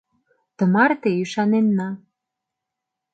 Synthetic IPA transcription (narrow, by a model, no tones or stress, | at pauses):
t̪ə̆mɑrt̪eyʃɑnenːɑ